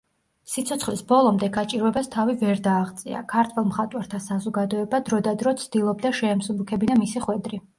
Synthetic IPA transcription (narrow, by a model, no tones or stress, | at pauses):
sit̪sʰɔt̪sʰχlisbɔlˠɔmd̪ɛɡat͡ʃʼiɾɛbast̪ʰavivɛɾd̪aːʁt̪sʼḭa̰kʰaɾt̪ʰwɛlˠmχat̪ʼwaɾt̪ʰasazɔɡad̪ɔɛbad̪ɾɔd̪ad̪ɾɔt̪sʰd̪̥ilˠɔb̚d̪aʃɛːmsubukʰɛbinamisiχwɛd̪ɾi